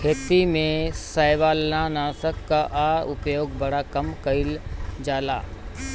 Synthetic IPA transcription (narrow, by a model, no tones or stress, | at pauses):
kʰeːt̪imẽsaːjʋaːlnanaːsəkːaʔaʊpjoːɡbɐɽakɐmkəɪld͡ʒaːla̰ː